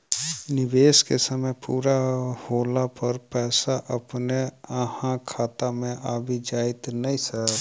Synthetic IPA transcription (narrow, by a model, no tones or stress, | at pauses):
nɪʋeːskesəməjpuːɾahoːlapəɾpɛːsaʔɐpneəhãkʰaːt̪amẽʔaːbʱid͡ʒaːɪt̪nəĩsə